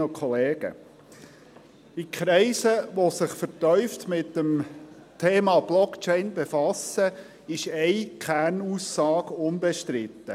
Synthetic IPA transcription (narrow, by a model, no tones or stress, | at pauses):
okʰɔleːɡ̥ə̰ | ikχɾɛɪsəʋosɪχfəɾtœʏft̪mɪt̪ːəm | tʰeːmɑb̥lɔkt͡ʃɛɪnbefɑsə | ɪʃɛɪkʰæːɾnuːsːɑːɡʊnbɛʃtɾɪt̪ːə